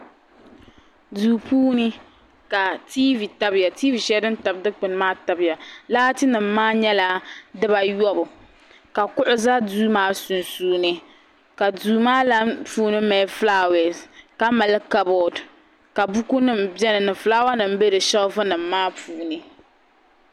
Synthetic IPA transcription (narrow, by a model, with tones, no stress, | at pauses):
duː˨puː˦nɨ˦ | ka˨tiː˦vi˨ta˦bɪ˨ja˨tiː˦vi˨ʃɛ˦dɨ˦n˦ta˨bdɨ˦k͡pɨ˨n˦maː˦ta˨bɪ˨ja˨laː˦tɨ˦nɨ˨m̩ːaː˦ɲɛ˦la˦dɨ˦ba˦jɔ˦bʊ˨ | ka˨kʊ˦ʔʊ˦za˦duː˦maː˦su˨nsuː˦nɨ˦ | ka˨duː˨maː˦la˦npuː˦nɨ˦mɛ˨˦flaː˦wɛ˨ka˦ma˨lɨ˦ka˨˦bɔ˨d | ka˨bu˦ku˦nɨ˦m˨bɛ˦nɨ˨nɨ˨flaː˦wa˦nɨ˨m˦be˦ɾɨ˨ʃɛ˦lvɨ˦nɨ˨mːaː˦puː˦nɨ˦